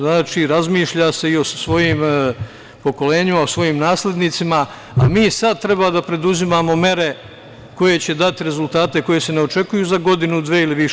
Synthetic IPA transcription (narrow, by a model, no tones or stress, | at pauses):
naːt͡ʃiːɾazmiːʃʎaːse̞io̞ssʋo̞jiːm | po̞ko̞le̞ːɲimaosʋo̞jiːmnaːsle̞d̪nit̪sima | amiːsad̪̚t̪ɾe̞baːd̪apɾe̞d̪uzimaːmo̞me̞ɾe̞ | ko̞je̞t͡ɕe̞d̪at̪iɾe̞zult̪aːt̪e̞ko̞je̞se̞neot͡ʃe̞kujuːzaɡo̞d̪inud̪ʋeːiliʋiʃ